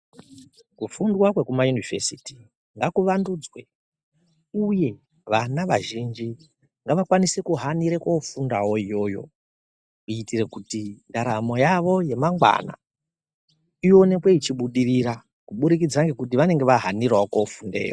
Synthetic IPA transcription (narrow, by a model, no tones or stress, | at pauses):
kufundwakwe̞kumajunivesiti̥ | ŋɡakuʋandud͡zwe | uje̞ | ʋanaʋaʒind͡ʒi | ŋɡaʋakwanisekuɦaniɾekofundawo̞ijo̞ːjo̞̰ | uitire̞kutindaɾamo̞jaʋo̞je̞maŋɡwa̰na̰ | ijo̞ne̞kwe̞it͡ʃiɓuɗiriɾa | kuɓuɾik̬id͡zaŋɡe̞kut̬iʋane̞ŋɡe̞ʋaɦanirwaokofunde̞̰ːjo